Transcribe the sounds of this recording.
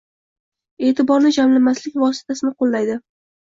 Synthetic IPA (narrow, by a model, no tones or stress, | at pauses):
e̞ːt̪ʰɪbɒɾnɪd͡ʒamlamaslɪkʲvɒsɪ̥t̪ʰasɪnɪqʰolˠːajd̪ɪ